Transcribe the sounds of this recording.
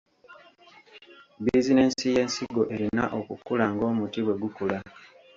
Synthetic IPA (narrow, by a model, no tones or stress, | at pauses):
bizine̞ːnsije̞ːnsiɡo̞ʔe̞ɾina̰ʔo̞kukulaŋɡo̞ːmutiβwe̞ɡukula